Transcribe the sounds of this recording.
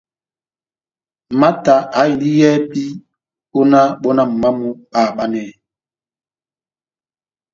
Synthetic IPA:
ma˦ta˨ʔa˨˦i˨li˦jɛː˦pi˦ | o˦na˦ɓo˦na˦m̩˨ma˦mu˦ɓa˦˨ɓa˦nɛ˦˨

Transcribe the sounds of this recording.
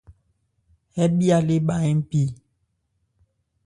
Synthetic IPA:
hɛ˦ɓi˦a˨le˦ɓa˨ɛ˦m̩˦pi˦˨

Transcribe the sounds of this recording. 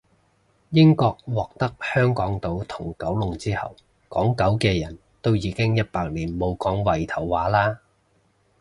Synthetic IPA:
jɪ˥ŋkɔː˧k̚wɔː˨k̚t̪ɐ˥k̚hœː˥ŋkɔː˨˥ŋt̪o˧wt̪ʰʊ˨˩ŋkɐ˨˥wlʊ˨ŋt͡siː˥hɐ̰˨w | kɔ̰ː˨˥ŋkɐ˨˥wkɛː˧jɐ˨˩n | t̪o˥wjiː˨˧kɪ˥ŋjɐ˥t̚paː˧k̚liː˨˩nmo˨˧wkɔː˨˥ŋwɐ˨˩jt̪ʰɐ˨˩wːaː˨˥laː˥

